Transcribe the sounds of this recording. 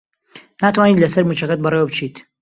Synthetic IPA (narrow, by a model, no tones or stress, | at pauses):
naːt̪ʰwaːniːt̪lɐsɐɾmut͡ʃɐkɐt̪̚bɐrewɐbɨt͡ʃʰiːt̪